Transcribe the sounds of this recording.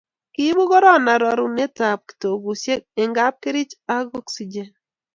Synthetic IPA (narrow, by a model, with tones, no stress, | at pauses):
ki˦bu˦ɣɔ˦ɾɔ˦˨na˨ɾɔ˨ɾu˨˦ne˦ta˨p̚ki̥˨to˨ɡu˨sje˦e˨ŋɡa˦p̚ke˦ɾi˦t͡ʃa˦ɡɔ˦ksi˨d͡ʒe˦n